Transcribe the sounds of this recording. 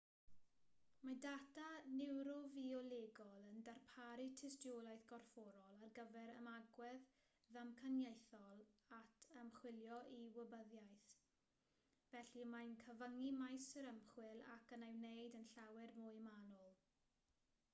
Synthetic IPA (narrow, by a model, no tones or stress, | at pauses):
madatʰanɪwɾɔviɔleːɡɔlˠəndarpʰaɾitʰɪstjolˠajθɡ̥ɔrfɔɾɔlˠarɡəvɛɾəmaɡwɛð | ðamkʰanjejθɔlˠatʰəmχwɪljɔʔiwəbəðjajθ | vɛɬimajnkʰəvəŋimajsəɾəmχwɪlˠa̰kənawnejdənɬawɛrmʊɨmanɔlˠ